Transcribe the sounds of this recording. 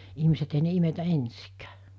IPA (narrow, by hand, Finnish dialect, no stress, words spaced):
ihmiset ei ne imetæ ensikæ̥ː